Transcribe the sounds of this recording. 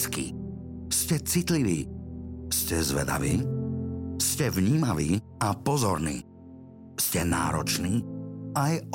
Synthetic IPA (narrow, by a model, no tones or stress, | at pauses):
skḭ | scɛt͡sit̪liʋiːscɛzʋɛ̰d̪a̰ʋiː | scɛvɲiːmaʋiːapɔzɔɾnḭː | scɛna̰ːɾɔt͡ʃniːaj